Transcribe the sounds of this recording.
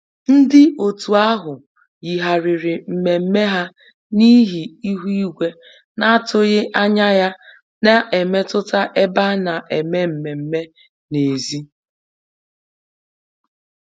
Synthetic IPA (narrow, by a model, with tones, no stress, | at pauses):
n̩˦dɪ˦ʔo˨tu˨a˦ɦʊ˨ | ji˨ɦa˨ɾɪ˨ɾɪ˨m̩˨me˨m̩˦me˦ɦa˦ | ni˦ɦi˨i˦ɦu˦i˦ɡʷe˦ | na˦a˦˨tʊ˦ɣɪ˦ʔa˦ɲa˦ja˦ | na˦ʔe˨me˦tʊ˦ta˦ʔe˦ba˦na˨ʔe˨me˦m̩˨me˨m̩˦me˦ | ne˨zi˦